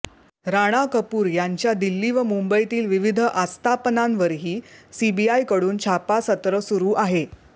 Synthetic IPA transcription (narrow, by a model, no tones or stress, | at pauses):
ɾaɽ̃akəpuːɾjaɲt͡ɕjad̪ilːiːʋəmumbəjt̪iːlʋiʋid̪ʱəʔast̪ʰapənanʋəɾɦiːsibiajkəɽuːnt͡ɕʰapasət̪ɾəsuɾuːʔaɦe